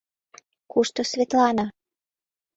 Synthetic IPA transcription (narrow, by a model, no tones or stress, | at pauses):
kuʃt̪usʲvʲet̪lˠana